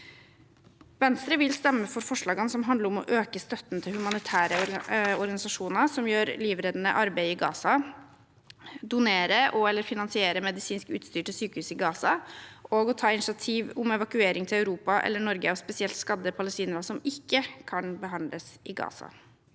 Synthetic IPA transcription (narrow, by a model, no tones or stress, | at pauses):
ʋɛnst̪ɾəʋɪlst̪ɛmːəfɔɾfɔʂɭɑːɡɑnsɔmɦɑnd̪ləɾɔmɔ̰ʔøːkəst̪œt̪ːnt̪ʰɪlhʉmɑnɪt̪ʰæːɾəɔɾɔɾɡɑnɪsɑʂuːnəɾsɔmjøːɾliːʋɾeːd̪nə̰ʔɑɾbæɪɪɡɑ̰ːsɑ | d̪ʊneːɾəʔɔɛlːəɾfɪnɑnsɪeːɾəmɛd̪ɪsiːnskʉ̰ːt̪st̪yːʈəsyːkəhʉːsɪɡɑːsɑʔoːɡɔt̪ʰɑːɪnɪʂɪɑt̪ʰiːʋʊmɛʋɑkʉeːɾɪŋt̪ʰɪlæʉɾuːpɑʔɛ̰lːəɳɔɾɡəɑʋspɛsɪɛlt̪skɑd̪ːəpʰɑləst̪iːnəɾəsɔmɪkːəkʰɑnbəɦɑnd̪lʔəsɪɡɑ̰ːsɑ̰